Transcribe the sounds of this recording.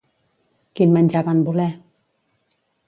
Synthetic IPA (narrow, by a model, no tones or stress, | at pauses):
kinmant͡ɕapanbulɛ